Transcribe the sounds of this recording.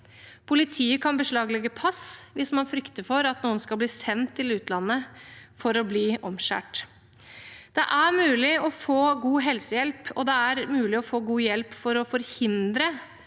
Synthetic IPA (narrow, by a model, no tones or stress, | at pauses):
pʰʊlɪt̪ʰiːəkʰɑnbəʂɭɑːɡlɛɡːəpʰɑsʋɪsmɑnfɾʏkt̪əfɔɾɑt̪nuːənskɑlbliːsɛnt̪ʰːɪlʉːt̪lɑnːəfɔɾɔbliːʔɔmʃæ̰ːʈ | d̪̥ɛ̰ʔæɾmʉːlɪɔfoːɡuːɦɛlsəjɛlpɔd̪ɛæɾmʉːlɪɔfoːɡuːjɛlpfɔɾɔfɔɾhɪnd̪ɾə